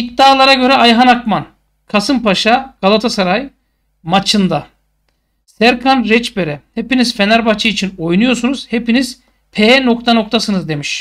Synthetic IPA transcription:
ik̚d̪aːlˠaɾaɟø̞ɾɛajɦanakman | kʰasɯmpʰaʃaɡ̥alˠat̪ʰasaɾaj | mat͡ʃʰɯnd̪a | sæɾkʰanɾɛt͡ʃbeɾɛhepinizfe̞naɾbat͡ʃʰɯːt͡ʃʰino̞jnujo̞ɾsunuz̥he̞piniz̥ | pʰeno̞kt̪ʰano̞k̚t̪ʰasɯnɯzd̪e̞miʃ

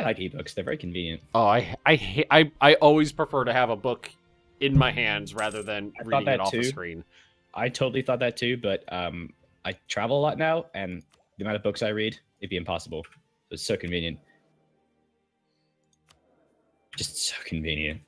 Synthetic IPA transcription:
aɪlaɪkib̥ʊksðə˞vɛ̰ɹikʰɱ̩vĩnjɨ̃nt̚oʊaɪaɪhʔaɪaɪʔɔlˠwiz̥pʰɹ̥ɨfɜ˞ɾɨːvəbʊk | ɨ̃nmaɪɦæ̃ndzɹæðə˞ðɨ̃naɪɹiθɔtɾɪ̃ðɨtɔʉkɹ̥ĩn | ʔa̰ɪtʰoʊɾl̩ˠiθɔt̪̚ðɨtʰʉbʌɾʌ̃m | ʔaɪtʰɹ̥ævl̩ˠəlɔtⁿnaʊɨ̃n | ðɨmãɾəbʊksaɪɹid | ɨt̚b̥iɨ̃mpʰɑ̰səbl̩ˠ | soʊɨtsoʊkʰɨ̃ɱvĩnjɨ̃nt̚ | d̥ʒ̥ʌstsoʊkʰɱvḭ̃njɨ̰̃nt̚

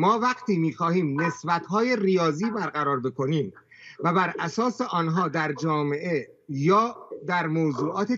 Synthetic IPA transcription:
mɒːvæɡt̪ʰiːmiːxɒːhiːmne̞sbæt̪hɒːje̞rijɒːziːbæɾɣæɾɒːɾbe̞kʰo̞niːm | væbæɾʔæsɒːse̞ʔɒːnɦɒːd̪æɾd͡ʒɒːme̞ʔe̞ | jɒːd̪æɾmoːzuːʔɒːt̪ʰe

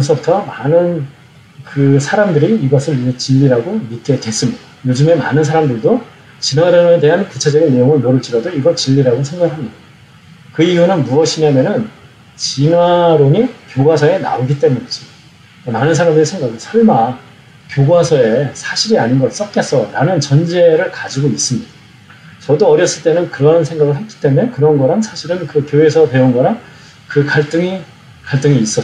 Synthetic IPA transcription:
nsʰʌbutʰʌmanɯn | kɯsʰaɾamdɯɾiːɡʌsʰɯɭt͡ɕiʎːiɾaɡomitʰe̞dwe̞s͈ɯmjodajod͡ʑɯme̞ma̰nɯnsʰaɾamdɯɭdo | t͡ɕinwaɾonede̞ɦankut͡ɕʰed͡ʑʌɡinːejoŋɯɭmoɾɯɭt͡ɕ͈iɾʌdoiɡʌɭt͡ɕiʎːiɾaɡosʰeŋɡaɡɯɭɦamida | kɯijunɯnmuʌɕʰiɲamjʌnɯn | t͡ɕinwaɾoɲikjoɡwasʰʌe̞na̰oɡit͈e̞muɲis͈ɯ | ʌmanɯnsʰaɾamdesʰe̞ŋɡaɡɯɭsʰʌɭma | kjoɡwasʰʌe̞sʰaɕʰiɾiaɲinɡʌs͈ʌk̚k͈es͈ʌɾanɯnt͡ɕʌnd͡ʑe̞ɾɯɭkad͡ʑiɡois͈ɯmɲid̥a | t͡ɕʌdoʌɾjʌs͈ɯɭt͈e̞nɯnkɯɾʌnsʰe̞ŋɡaɡɯɭɦek͈i̥t͈e̞mue̞kɯɾʌnɡʌɾansʰaɕʰiɾɯnkɯkjoe̞sʰʌte̞unɡʌɾan | kɯkaɭt͈ɯŋi | kaɭt͈ɯŋiːs͈ʌ

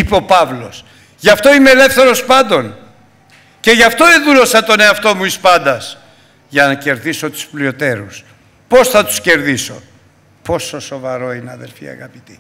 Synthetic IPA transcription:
ipeo̞pɐvlo̞s | ʝɐft̪o̞imele̞fθe̞ɾo̞spɐnd̪o̞n | ce̞ʝɐft̪o̞eðulo̞sɐt̪o̞ne̞ɐft̪o̞muispɐnd̪ɐs | ʝɐnɐce̞ɾðiso̞t̪u̥splio̞t̪e̞ɾus | po̞sθɐt̪u̥sce̞ɾðiso̞ | po̞so̞so̞vɐɾo̞ineɐðe̞lfiɐ̰ɣɐpit̪i̥

